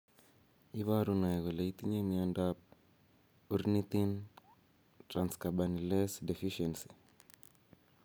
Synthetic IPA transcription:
iβaɾunaɛɣɔlait̪iɲemiandap̚ | uɾnit̪in | tɾanskabanilesdefiʃɛnsi̥

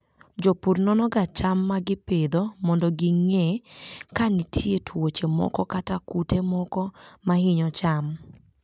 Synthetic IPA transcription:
d͡ʒopurnɔnɔɡat͡ʃamːaɡɪped̪omɔndɔɡiŋekanɪtʰjetʰwot͡ʃemɔ̰kɔkatakutemɔkɔmahɪɲɔt͡ʃam

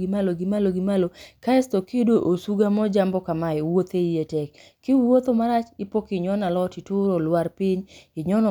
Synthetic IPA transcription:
ɡɪmaloɡɪmaloɡɪmalokaɛstokidoʔosuɡamɔd͡ʒambɔkamaɛwot̪eijetɛkʰː | ɪwot̪omaɾat͡ʃɪpokɪɲɔnalɔtɪtʊɾolwaɾpɪɲɪɲɔnɔ

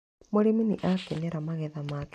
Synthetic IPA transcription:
moɾeminiʔakɛnɛɾamaɣɛðamak

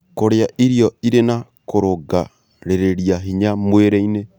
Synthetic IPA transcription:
koɾeaʔiɾiɔiɾena | koɾoɡa | ɾeɾeɾiaɦiɲamweɾɛine

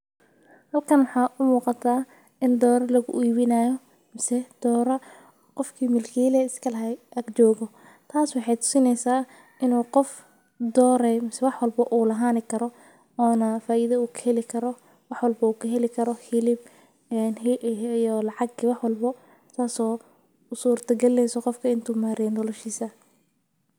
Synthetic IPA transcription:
hɐlkʰɐnwɑħɑːʔʊmuːqɑt̪ʰaː | ɪnd̪ɔːɾɐlɐɣʊ̰ʔiːβɪnaːjɔ | mɪsɛd̪̥ɔːɾɐ | qɔfkʰiːmɪlkʰiːlɛɪskʰɐlɐɦɛɡt͡ʃɔːɣɔ | t̪ʰaːswɑħɑjt̪ʰʊ̥sɪnɛjsaː | ʔɪnuːqɔf | d̪ɔːɾɛmɪsɛwɑħwɑlbɐʔuːlɐɦaːnɪkʰɐɾɔ | ɔːnɐfaːʔiðɐuːkʰɐ̥hɛlɪkʰɐɾɔ | wɑħwɑlbɐuːkʰɐɦɛlɪkʰɐɾɔhɪlɪb̚ | ɛnɦʔjɔlɑʕɑɡiwɑħwɑlbɐ | t̪ʰaːsɔː | ʊsuːrt̪ʰɐɡɐlːɛjsɔqɔfkʰɐɪnt̪ʰuːmaːɾɛndɔlɔʃiːsɐ

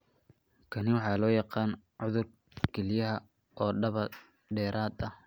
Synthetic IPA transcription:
kʰɐnɪwɑħɑːlɔːjɑqɑːn | ʕʊðʊr | kʰɛlɪjɐɦɐ | ʔɔːɖɐβɐ | ɖɛːɾʔaːd̪ɐ

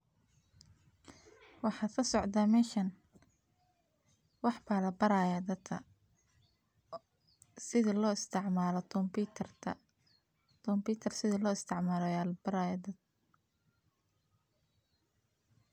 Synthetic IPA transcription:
wɑħɑːd̪kʰɐsɔʕd̪aːmɛːʃɐn | wɑħbaːlɐbɐɾaːjad̪ɐɐ | sɪðɐlɔːɪst̪ʰɪʕmaːlɔt̪ʰɔmbit̪ʰrt̪ʰɐ | t̪ʰɔmbiːt̪ʰɐrsɪðɐlɔːɪst̪ʰɛʕmaːlɔjalɐbɐɾaːjad̪ɐd̪

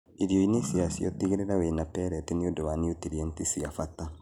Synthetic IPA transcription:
iɾjɔinesiasḭɔ̰tiɣeɾeɾawenapɛɾɛteniodowaniotiɾientisiafata

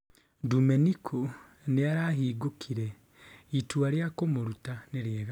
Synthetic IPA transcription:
dumenikʰo | neaɾaːɦiːɡokʰiɾe | itwaɾjakomoɾutaneɾjeːɣa

